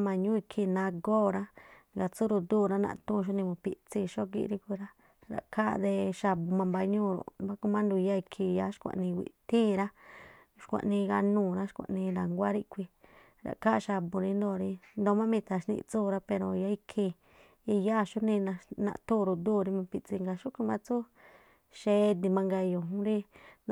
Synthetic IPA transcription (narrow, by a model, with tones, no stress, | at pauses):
mã˧˨ɲũ˦i˧kʰi˧nã˧ɡoː˦˨ɾa˦ | ɡa˧˨t͡su˦ɾu˧d̪u˦˨ɾa˦nã̰˧ʔt̪ũ˦˧ʃ̬o˦nĩ˧mũ˧pi˧t͡si˧˨ʃo˦k̬ḭ˧ʔɾi˦kʷi˧ɾa˦ | ɾa̰˨kʰa˦d̪e˧ʃa˧bu˧mã˧mba˧˦ɲũː˦˨ɾo̰˨ba˦ku˧mã˦nd̪u˧ja˦i˧kʰi˧ja˧˦ʃkʷã̰˧ʔnĩ˧ɡʷḭ˨t̪ĩː˦˧ɾa˦ | ʃkʷã̰˨˧ʔnĩ˧ɣa˧nũː˦˧˨ɾa˦ʃkʷã̰˧ʔnĩ˧na˨ŋɡʷa˦ɾi˦kʷi˧ | ɾa̰˨ka˦˧ʃa˧bu˧ɾĩ˧˦nd̪o˧˨˧ɾi˧nd̪o˧mã˦mĩ˧t̪a˧˨ʃnḭ̃˧ʔt͡suː˦˨˧ɾa˧pe˧ɾo˧˨ja˧˦i˧kʰi˧ | i˧ja˦˨ʃu˦nĩ˧nã˧nã̰˧ʔt̪u˦˨ɾu˧d̪uː˦˨ɾi˧mã˧pi˧t͡si˧ŋɡa˧ʃu˦kʷi˧mã˧t͡su˦ | ʃe˧˦d̪i˧mã˧ŋɡa˧jo˨ɦũ˦ɾi˦n